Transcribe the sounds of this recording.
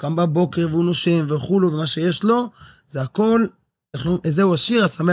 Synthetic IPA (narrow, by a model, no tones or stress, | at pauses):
ɡambabo̞ke̞ʁveunoʃemveχuluvemaʃe̞jeʃlo̞zeako̞l | aχuʔezeuaʃiʁasame